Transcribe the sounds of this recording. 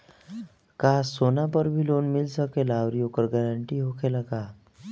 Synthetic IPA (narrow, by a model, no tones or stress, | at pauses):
kasonapəɾbʱiːlonmilsəkelaɾijokəɾɡɛɾəɳʈiːɦokʰelaka